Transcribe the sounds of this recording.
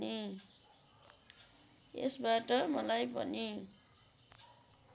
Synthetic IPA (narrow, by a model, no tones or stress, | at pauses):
i | ḛsbaʈʌmʌlajbʱʌ̰ni